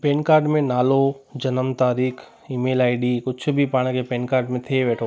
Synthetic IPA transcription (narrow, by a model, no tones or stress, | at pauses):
peːnkaːɾɖmẽnaːlod͡ʒɐnəmt̪aːɾiːkʰ | iːmeːlaːɪɖikʊtːt͡ʃʰbʱipaːɽ̃ekepeːnkaːɾɖmẽt̪ʰeʋɛːʈʰ